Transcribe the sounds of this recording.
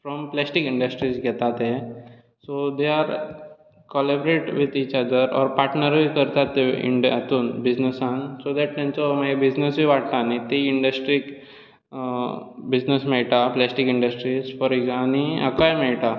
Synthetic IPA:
fɾɔmplɛsʈikĩɳɖəsʈɾizɡʱɛt̪at̪e | sod̪eaɾ | kɔlɛbɾeʈʋit̪iːt͡ʃad̪əɾɔ̰ːɾpaɾʈnəɾbʱikəɾt̪at̪ːeḭɳɖa̰t̪uːnbid͡ʑnəsãnsod̪ɛʈ̚t̪ɛ̃nt͡somaebid͡ʑnəsbʱiʋaʈt̪aːnit̪eiɳɖəsʈɾik | bid͡ʑnəsmeʈaplɛsʈikiɳɖəsʈɾizfɔɾiɡaniə̰kajmeʈa

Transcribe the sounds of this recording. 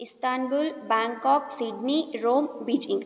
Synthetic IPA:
ɪst̪aːnbʊlbɛ̃ːŋkɔːksiːɖniɾoːmbiːt͡ʃɪ̃ŋɡ

